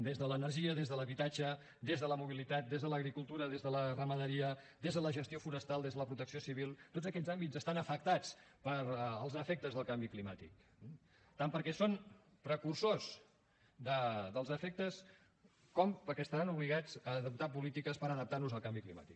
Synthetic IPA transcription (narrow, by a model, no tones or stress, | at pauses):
d̪ezðələnərʒiəðezðələβit̪ad͡ʒə | d̪ezðələmuβ̞ilit̪at̪̚d̪ezðələɣɾikulˠt̪uɾəðezðələrəməðəɾiəd̪ezðələʒəst̪iofunəst̪alˠd̪ezðələpɾut̪əksiosiβilˠt̪odd͡zəkɛʎzambid͡zzəst̪anəfək̚t̪at͡spəɾəlˠzəfɛk̚t̪əzðəlˠkambiklimat̪ḭk̚ | t̪ampəɾkɛson | pɾəkursos | d̪əd̪əlˠzəfɛk̚t̪əs | kɔmpəɾkɛəst̪əɾanuβliɣad͡zəðəp̚t̪apulit̪ikəspəɾəðəp̚t̪arnuzəlˠkambiklima̰t̪i̥k